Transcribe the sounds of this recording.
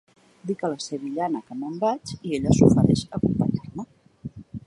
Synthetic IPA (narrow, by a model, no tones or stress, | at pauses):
d̪ikələseβiʎanəkəməmbat͡ʃieʎəsufəɾɛʃəkumpəɲarmə